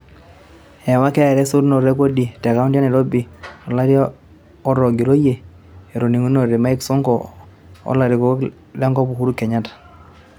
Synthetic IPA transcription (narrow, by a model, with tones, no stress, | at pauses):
ɛ˨wa˦kɛ˦˨ɾɛ˦su˦ɾno˨ɾɛ˦ko˦di˨tɛ˨ka˦u˦ndja˦nɛ˨ɾo˦bi˨ɔ˨la˦ɾj | ɔ˦ɾɔ˨ɡi˨ɾo˦je˨ | e˨ɾo˨ni˨ŋu˦no˨ɾe˨ma˦i˦ksɔ˦ŋkɔ˨ | ɔ̰˦la˨ɾi˨ko˦ | lɛ˦ŋɡɔ˦pu˨hu˦ɾu˦kɛ˨ɲa˦tḁ˨